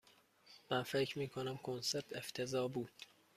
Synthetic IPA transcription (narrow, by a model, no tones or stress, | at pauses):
mænfecʰɾmiːkʰonæmkʰonseɾt̪ʰe̞ft̪ʰe̞zɒːbuːd̪̥